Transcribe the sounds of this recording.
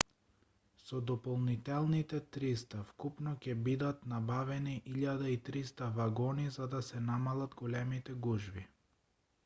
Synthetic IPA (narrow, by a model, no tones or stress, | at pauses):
sɔd̪ɔpɔlˠnit̪ɛlˠnit̪ɛt̪ɾist̪afkupnɔcʲɛbid̪at̪nabavɛniʔiʎad̪ait̪ɾist̪avaɡɔnizad̪asɛnamalˠad̪ɡolɛmit̪ɛɡuʒvi